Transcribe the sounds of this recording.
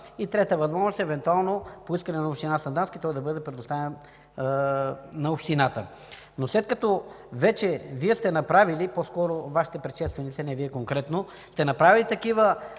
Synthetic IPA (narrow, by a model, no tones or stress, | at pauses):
it̪ɾɛt̪əvɐzmɔʒnost̪ɛvɛnt̪ualˠnopoiskɐnɛnɐopʃt̪inasɐnd̪anskit̪ɔjd̪ɐbɤd̪ɛpɾɛd̪ost̪avɛn | nɐopʃt̪inat̪ə̰ | noslɛt̪kɐt̪ɔ | vɛt͡ʃɛviɛst̪ɛnɐpɾaviliposkɔɾovaʃi̥t̪ɛpɾɛʃɛst̪vɛnit̪sɛnɛviɛkoŋkɾɛt̪no | st̪ɛnɐpɾavilit̪ɐkivə